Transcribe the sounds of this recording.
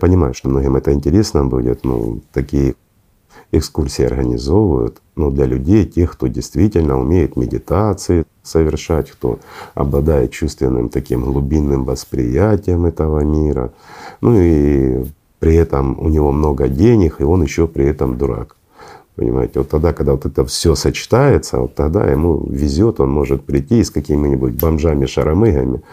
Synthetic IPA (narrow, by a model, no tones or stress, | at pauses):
pənʲɪmajʊʂt̪omnoɦʲɪmɛt̪əɪnʲtʲɪɾʲesnəbudʲɪ̰t̪nṵt̪ɐkʲijə | ɪkskursʲɪɪɐ̰rɦənʲɪzo̞vʊjʊ̰t̪ | nud̪lʲɐlʲʉdʲejtʲexkt̪o̞dʲɪjst̪vʲitʲɪlʲnəʊmʲejɪt̪mʲɪdʲɪt̪at̪sɨjɪ | səvʲɪrʂatʲxt̪o̰ɐ̰blˠɐd̪ajɪt̪̚t͡ɕust̪vʲɪnːɨ̰mt̪ɐkʲimɦlˠʊbʲinːɨmvɐspɾʲɪ̰jætʲɪjəmɛt̪əvəmʲiɾə̰nʔui | pɾʲɪɛt̪əmʊ̰nʲɪvo̞mno̞ɡədʲenʲɪxɨo̞njɪɕːopɾʲɪɛt̪əmd̪ʊɾa̰k | pə̰nʲɪ̰ma̰jɪtʲɪvo̞t̪ːɐɣd̪akɐɣd̪avot̪ɛt̪əfsʲosət͡ɕɪ̥t̪ajɪt̪sə̰o̰t̪ːɐɣd̪a̰jɪ̰mṵvʲɪzʲo̞t̪o̞nmo̞ʐɨt̪̚pɾʲɪtʲːisʲkɐkʲimʲɪnʲɪbʊt̚ʲbɐmʐamʲɪʂɐ̰ɾʔɐmɨɦɐ̰mʲɪ